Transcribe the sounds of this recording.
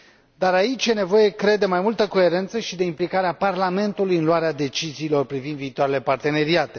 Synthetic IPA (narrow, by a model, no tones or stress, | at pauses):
d̪aɾait͡ʃʲje̞ne̞vo̞je̞kɾe̞d̪emajmult̪əko̞e̞ɾe̞nt̪səʃid̪e̞implikaɾeaparlame̞nt̪ulujɨnluaɾead̪e̞t͡ʃiziːlo̞rpɾivind̪viːt̪owaɾe̞le̞part̪e̞ne̞ɾiat̪e